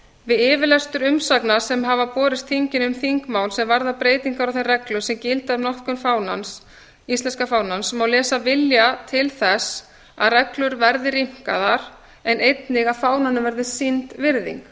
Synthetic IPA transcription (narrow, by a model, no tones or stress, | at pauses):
vɪðɪːvɪlɛst̪ʏɾʏmsaknasɛmɦavapɔːɾɪst̪θiɲcɪnʏmθiŋkmaːwlsɛmvaɾðapɾeːjt̪iŋkaɾawθejrɛklʏsɛmcɪlt̪aðʏnɔhkʏnfaːwna̰ns | ist̪lɛnskafaːwnansmawlɛːsavɪljat̪ʰɪlθɛs | a̰ðrɛklʏɾvɛɾðɪɾim̥ka̰ðaɾ̥ | ɛnejt̪nɪɣafaːwnanʏvɛɾðɪsint̪vɪɾðḭŋk